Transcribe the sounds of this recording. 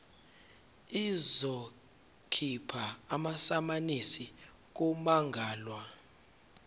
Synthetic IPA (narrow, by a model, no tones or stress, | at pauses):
izɔ | kʰipʰaːmasamanisi | k̬umaŋɡʱaːlwa